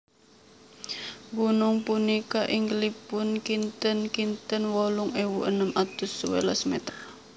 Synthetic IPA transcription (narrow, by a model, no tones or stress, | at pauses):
ɡunʊŋpunikaʔɪŋɡlipʊnkint̪ənkint̪ənwɔlʊŋewuʔənəmat̪ʊsuwḛlasmɛ̰t̪ər